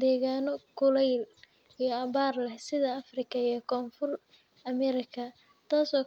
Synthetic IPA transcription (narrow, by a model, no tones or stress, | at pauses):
d̪ɛːɣaːnɔkʰʊlɛjl | ijɐβaːrlɛhsɪðɐɐfrɪkʰɐijɔkʰɔːnfʊr | ɐmɛɾɪkʰɐ | t̪ʰaːsɔː